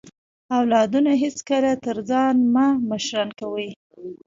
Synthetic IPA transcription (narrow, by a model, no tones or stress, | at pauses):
awlɑd̪unaɦɪt͡skəlat̪əɾzɑnmaməʃɾɑnkawəj